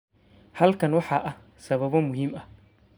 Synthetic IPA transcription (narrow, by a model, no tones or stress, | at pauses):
hɐlkʰɐnwɑħɑʔɐh | sɐβɐβɔmʊɦiːmɐ